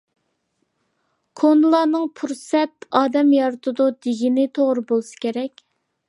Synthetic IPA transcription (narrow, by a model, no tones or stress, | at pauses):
kʰonɨlˠɑːnɨŋpʰuɾsɛt̪ɑːd̪ɛmjɑɾt̪ʰɨd̪ud̪eɡʲinɪt̪ʰoʁɾɨbolˠsɨ̥kʲʰeɾɛkʲ